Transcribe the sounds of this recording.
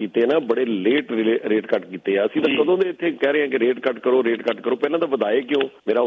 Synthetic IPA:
iːt̪eːnãːbəɽeːleːʈɾɪleɾeːʈkəʈkiːt̪eːɛːəsĩːt̪ãːkəd̪õːd̪eːɪt̪ʰːeːkɛːɾɛeãːkɪɾeːʈkəʈkəɾoːɾeːʈkəʈkəɾoːpɛːlãːd̪aːʋəd̪aːeːkɪjõːmeːɾaː

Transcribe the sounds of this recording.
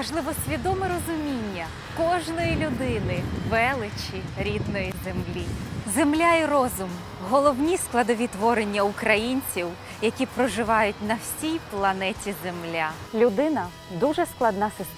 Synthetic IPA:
mɐʒlˠɪʋɔsʲʋʲid̪ɔmɛɾɔzʊmʲinʲːɐ | kɔʒnɔjilʲʊd̪ɪnɪʋɛlˠɪt͡ʃʲiɾʲid̪nɔjizemlʲizemlʲairɔzʊm | ɦɔlˠɔwnʲisklˠɐd̪ɔʋʲit̪ʋɔɾenʲːɐʊkɾɐjinʲt͡sʲiw | jɐkʲipɾɔʒɪʋɑjʊtʲnɐwsʲijplˠɐnɛtʲizemlʲalʲʊd̪ɪnɐ | d̪uʒɛsklˠɐd̪nasɪs

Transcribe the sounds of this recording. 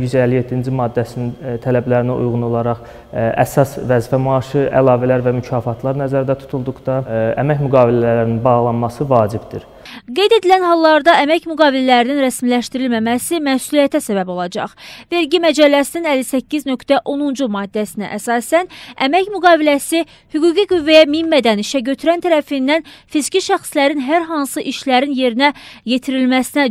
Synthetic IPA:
yzælːijet̪ʰːind͡ʒimɑːd̪ːæsinint̪ʰælæblæɾinæʔṵjʁuno̞lˠɑɾɑχ | æ̰sɑsvæzfæmɑːʃɯʔæ̰lˠɑːvælæɾvæmycʰɑːfɑt̪ʰlˠɑɾnæzæɾd̪æt̪ʰu̥t̪ʰulˠd̪uχd̪ɑæ̰mæçmyɡɑːvilælæɾæɾininbɑɣlˠɑnmɑsɯvɑːd͡ʒibd̪iɾ | ɡe̞jd̪ed̪ilænhɑlˠːɑɾd̪ɑæmæcmyɡɑːvilælæɾininɾæsmilæʃt̪iɾilmæmæsimæsulijæt̪ʰæsæbæbo̞lˠɑd͡ʒɑ̰χve̞ɾɟimæd͡ʒælːæsininælːisæcʰːiznø̞kt̪æʔo̞nund͡ʒumɑːd̪ːæsinæ̰ʔæsɑːsænæmæcmyɡɑːvilæsi | hyɡuːɡiɡyvːæjæmimːæd̪æniʃæɟø̞t̪ʰyɾænt̪ʰæɾæfinːænfizciʃæxslæɾinɦæɾɦɑnsɯʔiʃlæɾinje̞ɾinæje̞t̪ʰiɾilmæsinæ

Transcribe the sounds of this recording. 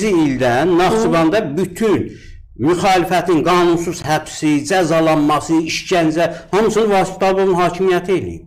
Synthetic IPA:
iild̪ænːɑχsuvɑnd̪ɑbyt̪ʰyn | myxɑːlifæt̪ʰinɡɑːnunsuz̥hæb̥sid͡ʒæzɑlˠɑnmɑsɯiʃɟænd͡ʒæhɑmɯsɯnvɑsi̥t̪ʰɑbovunhɑːcʰimijæt̪ʰielḭḭb

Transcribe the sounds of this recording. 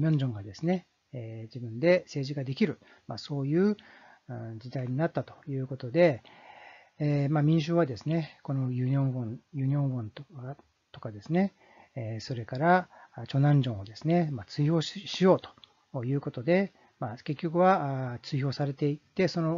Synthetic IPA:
ɲʲõ̞ɲ̟d͡ʑõ̞ŋɡad̪e̞sɨne̞ | d͡ʑibɯ̟̃nd̪e̞se̞ːʑiɡad̪e̞kʲiɾɯ̟ | maso̞ːjɯ̟ː | ɯ̃d͡ʑid̪aiɲ̟inat̪ːat̪o̞̥jɯ̟ːko̞t̪o̞d̪e̞ | mamʲĩɕ̬ɨːβad̪e̞sɨne̞ko̞no̞jɯɲõɡõnjɯ̟ːɲʲõ̞ŋɡõnt̪ | t̪o̞̥kad̪e̞sɨne̞ | so̞ɾe̞kaɾat͡ɕo̞nãɲ̟d͡ʑõ̞ɰ̃o̞d̪e̞sɨne̞mat͡sɨiço̞ːɕijo̞ːt̪o̥ | jɯ̟ːko̞t̪o̞d̪e̞ | make̞kʲːo̞kɯ̟βat͡sɨiço̞ːsaɾe̞t̪e̞it̪ːe̞so̞no̞

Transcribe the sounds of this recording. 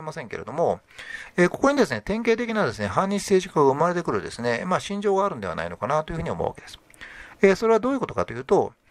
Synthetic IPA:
emasẽ̞ŋke̞ɾe̞̰d̪o̞mo̞ | eːkoko̞ɲ̟id̪e̞sɨne̞t̪ẽ̞ŋke̞ːt̪̬e̞kʲinad̪e̞sɨne̞ɦãɲ̟ːĩse̞ːʑikaɡaɯ̟maɾe̞t̪e̞kɯ̟ɾɯ̟d̪e̞sɨne̞maːɕĩɲ̟d͡ʑo̞ːɡaːɾɯ̟̃nd̪e̞a̰na̰ino̞kanat̪o̞jɯ̟ɯ̟ɲio̞mo̰a̰ke̞d̪esɨ̥ | eso̞ɾeβad̪o̞ːjiɯ̟ko̞t̪o̞kat̪o̞jɯ̟ːt̪o̞

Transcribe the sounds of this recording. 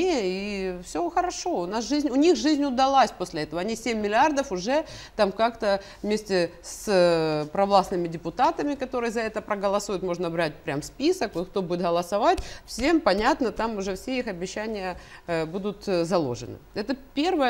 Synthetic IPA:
eifsʲoxəɾɐʂo̞ʊnasʐɨzʲnʲʊnʲixʐɨzʲnʲʊd̪ɐlˠasʲposʲlʲɪɛt̪əvəɐnʲisʲemʲːɪlʲɪard̪əfʊʐɛt̪amkakt̪ə | vmʲesʲtʲɪspɾɐvlˠasnɨmʲɪdʲɪpʊt̪at̪əmʲɪkɐt̪o̞ɾɨjəzɐɛt̪əpɾəɡəlˠɐsujʊt̪mo̞ʐnəbɾat̚ʲpɾʲamspʲisəkvot̪kt̪o̞budʲɪt̪ɣəlˠɐsɐvatʲfsʲe̞mpɐnʲat̪nət̪amʊʐɛfsʲeixɐbʲɪɕːænʲɪjəbud̪ʊt̪zɐlˠo̰ʐɨ̰nɨ̰ɛt̪əpʲe̞rvəjə

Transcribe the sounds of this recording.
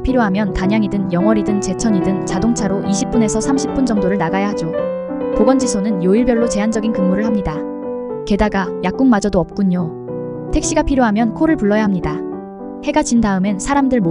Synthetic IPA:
pʰiɾjoɦamjʌntaɲaŋidɯnjʌŋwʌɾidɯnt͡ɕe̞t͡ɕʰʌɲidɯnt͡ɕadoŋt͡ɕʰaɾoʔiɕʰip̚p͈une̞sʰʌsʰamɕʰip͈und͡ʑʌŋdoɾɯɭnaɡajahad͡ʑo | koɡʌnd͡ʑisʰonɯnjoiɭbjʌɭːot͡ɕe̞ɦand͡ʑʌɡinkɯŋmuɾɯɭhamɲida | ke̞daɡajak͈uŋmad͡ʑʌdoʌp̚k͈uɲo | tʰe̞k̚ɕ͈iɡapʰiɾjoɦamjʌnkʰoɾɯɭpuɭːʌjaɦamɲida | he̞ɡat͡ɕindaɯmensʰaɾamdɯɭmo

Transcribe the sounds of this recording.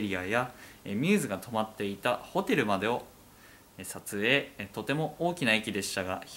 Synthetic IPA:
ɾʲiajaemʲɨ̟ːzɨɡat̪ʰo̞mat̪ːe̞it̪aho̞t̪e̞ɾɯ̟mad̪e̞o̞ | esat͡sɨe̞t̪o̞t̪e̞mo̞oːkʲinaikʲid̪e̞ɕɨ̥t̪aɡa

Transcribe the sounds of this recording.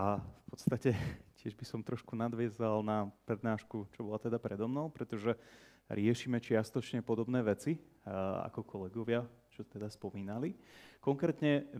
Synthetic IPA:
afpɔt̪st̪acɛcɪɛʒbisɔmt̪ɾɔʃkunad̪ʋɪɛzalnapɾɛd̪naːʃkut͡ʃɔbɔlat̪ɛd̪apɾɛd̪ɔmnɔʊpɾɛt̪ɔʒɛ | ɾɪɛʃiːmɛt͡ʃɪast̪ɔt͡ʃɲɛpɔd̪ɔbnɛːʋɛt͡si | a̰kɔkʰɔlɛɡɔʋɪa | t͡ʃɔt̪ɛd̪aspɔmiːnalikɔŋkɾɛːt̪ɲɛ

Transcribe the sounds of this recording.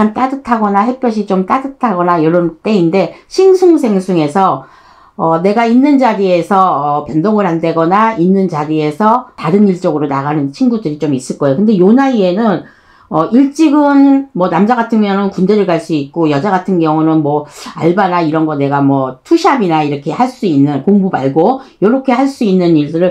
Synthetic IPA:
amt͈adɯtʰaɡʌnaɦe̞p͈ʰjʌɕ̬ʰit͡ɕomt͈adɯtʰaɡʌnajʌɾʌnt͈e̞inde̞ɕʰiŋsʰuŋsʰe̞ŋsʰuŋe̞sʰʌ | ʌne̞ɡainːɯnd͡ʑaɾie̞sʰʌːpjʌndoŋɯɭɦandwe̞ɡʌnainːɯnt͡ɕaɾie̞sʰʌtaɾɯniɭt͡ɕ͈ʌɡɯɾonaɣanɯnt͡ɕʰinɡudɯɾit͡ɕomis͈ɯɭk͈ʌeokɯnde̞jonaie̞nɯn | ʌʔiɭt͡ɕ͈iɡɯnmwʌnamd͡ʑaɡatʰɯŋmjʌŋɯnkunde̞ɾɯɭɡaɭs͈uik͈ojʌd͡ʑaɡatʰɯnɡjʌŋunɯnmwʌa̰ɭbanaiɾʌnɡʌne̞ɡamwʌtʰuɕʰiabinaiɾʌkʰe̞haɭs͈uinːɯnkoŋbubaɭɡojoɾʌkʰe̞haɭs͈uinːɯniɭdɯɾɯɭ

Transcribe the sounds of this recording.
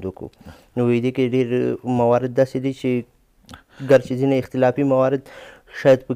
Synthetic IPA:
d̪ukṵ | nowejd̪ekeɖeɾmawɑɾɪd̪̚ːɑsed̪et͡ʃe | ɡaɾt͡ʃezinaɪxt̪ɪlɑfimawɑɾɪd̪ʃɑjɑd̪̚pə

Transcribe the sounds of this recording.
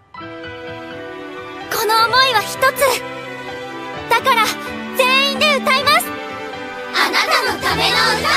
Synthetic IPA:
ko̞no̞ːmo̞iβaçi̥t̪o̞t͡sɨ | d̪̥akaɾa | zẽ̞ɰ̃ĩnd̪e̞ɯ̟t̪aimasɨ̥ | anat̪anot̪ameno

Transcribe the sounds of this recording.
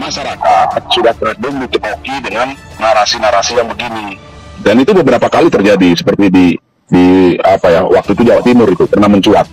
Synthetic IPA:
masaɾakat̪̚sudaht̪əɾədʊŋdit̪ətakidəŋanː | aɾasinaɾasijaŋbəɡini | danit̪ubəbəɾapakalit̪ərd͡ʒadisə̥pərt̪idi | diapaja̰wak̚t̪uit̪ud͡ʒawaʔt̪imʊɾit̪ukərnaməɲt͡ʃuat̪̚

